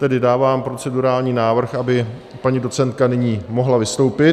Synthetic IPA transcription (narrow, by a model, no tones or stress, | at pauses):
t̪ɛdɪdaːvaːmpɾo̞t͡sɛduɾaːlɲiːnaːvr̩xʔabɪ | paɲiːdo̞t͡sɛnt̪̚kanɪɲiːmo̞ɦlavɪst̪o̞wpɪ